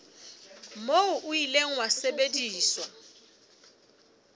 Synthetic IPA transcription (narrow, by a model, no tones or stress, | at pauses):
moʊʔʊileŋ̩wasebediːswa